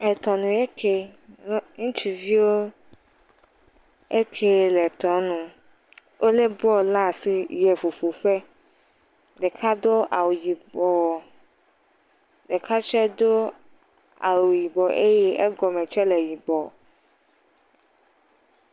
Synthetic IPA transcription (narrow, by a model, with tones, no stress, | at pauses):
ɛ˨t̪ɔ˨nũ˨ɛ˦kʰe˦ | ŋũ˦t͡ʃi˨vi˦wo˦ | e˦kʰe˦lɛ˨t̪ɔ˨˦nũ˦ | wʔo˦le˦bɔ˦lã˦˨si˨jɛ˨fu˨fu˨fɛ˦ | dɛ˨kʰa˦d̪o˦ʔa˨wu˨ji˨bɔ˨ | de˨kʰa˦t͡ʃɛ˦d̪o˦ | a̰˨wu˨ji˨bɔ˨ʔe˦jɛ˦e˦ɡɔ˨mɛ̃˨t͡ʃɛ˦lɛ˨ji˨bɔ˨